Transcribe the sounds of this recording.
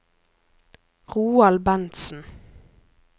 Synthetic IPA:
ʁuːɑlbɛnt̪sn̩

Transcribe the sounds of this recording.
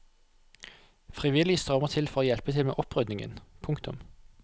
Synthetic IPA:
fʁɪʋɪlɪst̪ʁœməʁt̪ʰɪlfɔʁoːjɛlpət̪ʰɪlmḛːʔɔpʁʏd̪nɪŋə̰npʰʊŋkt̪ʊm

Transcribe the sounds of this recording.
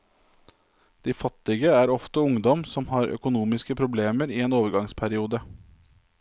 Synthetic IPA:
d̪̥iːfɑt̪ɪɡəæːɾɔft̪əʊŋd̪ɔmsɔmhɑːɾœ̰kʊnuːmɪskəpʰɾʊbleːməɾiːeːnoːʋəɾɡɑŋspʰæɾɪuːd̪ə

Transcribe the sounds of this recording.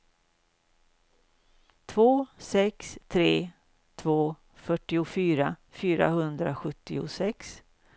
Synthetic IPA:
t̪ʰvoːsɛkst̪ʰɾeː | t̪ʰvoː | fœʈːɪʊfyːɾafyːɾa̰hɵnd̪ɾaɧɵt̪ːɪʊ̰sɛks

